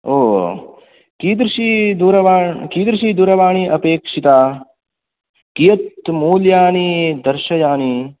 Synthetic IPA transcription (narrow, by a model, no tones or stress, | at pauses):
oː | kiːd̪ɾiʃid̪uɾɐʋaːkiːd̪ɾiʃid̪uɾɐʋaːɳiʔɐpeːkʂit̪a | kijɐt̪muːljaːnid̪ɐɾʃɐjaːni